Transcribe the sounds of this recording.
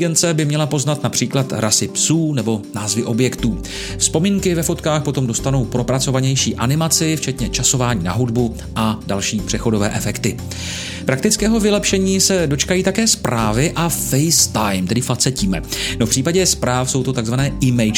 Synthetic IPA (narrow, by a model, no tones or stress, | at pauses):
ɡɛnt͡sɛbɪmɲɛlapo̞znat̪napr̝̥iːklat̪ɾasɪpsuːnɛbo̞naːzvɪʔo̞bjɛkt̪uː | fspo̞miːŋkɪvɛfo̞t̪kaːxpo̞t̪o̞mdo̞st̪ano̞wpɾo̞pɾat͡so̞vaɲɛjʃiːʔanɪmat͡sɪft͡ʃɛt̪ɲɛt͡ʃaso̞vaːɲiːna̰ɦudbu | ʔadalʃiːpr̝̥ɛxo̞do̞vɛ̰ːʔɛfɛkt̪ɪ | pɾakt̪ɪt͡skɛːɦo̞vɪlɛpʃɛɲiːsɛdo̞t͡ʃkajiːt̪akɛːspɾaːvɪʔafɛjst̪ajmt̪ɛdɪfat͡sɛciːmɛ̰nofpr̥iːpaɟɛspɾaːfso̞wt̪ot̪aɡzvanɛːʔɪmɛjt͡ʃ